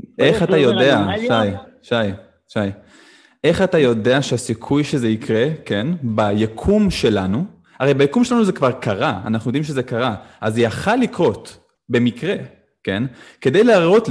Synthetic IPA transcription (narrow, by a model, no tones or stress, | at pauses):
ʔeχat̪ajo̞deaʃaj | ʃaj | ʃaj | ʔe̞χatajo̞deaʃeasikʰujʃezeikʁe̞ke̞nbajakʰumʃe̞lanu | aʁe̞jbajakumʃelanuzekvaʁkaʁaa̰naχnujod̪imʃezekaʁaʔazjaχalːikʁo̞t | be̞mikʁe̞ | ke̞nke̞d̪ejleaʁo̞t